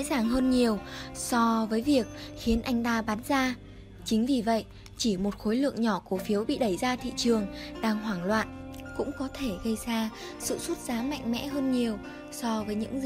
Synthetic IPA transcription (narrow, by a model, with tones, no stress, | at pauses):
zaː˨˩ŋɦəː˧nɲi˨˩əwsɔ˧vəː˨˦jvi˨˩ək̚xi˨˦ənʔa˧jŋ̟t̪aː˧ɓaː˨˦nzaː˧ | t͡ɕï˨˦ŋ̟vi˨˩və̰˧˨jʔ | t͡ɕi˧˩mo˨˩t̚xo˨˦jlɨ̰˧˨əŋɲɔ˧˩ku˧˩əfi˨˦əwɓḭ˧˨ɗə˧˩jzaː˧t̪ʰḭ˧˨t͡ɕɨ˨˩əŋɗaː˧ŋɦwaː˧˩ŋlwa̰ː˧˨nkʊ̰˧˥ŋ͡mkɔ˨˦t̪ʰe˧˩ɣə˧jzaː˧ | sɨ̰˧˨su˦˥t̚zaː˨˦ma̰˧˨jŋ̟mɛ̰˧˥ɦəː˧nɲi˨˩əw | sɔ˧vəː˨˦jɲɨ̰˧˥ŋ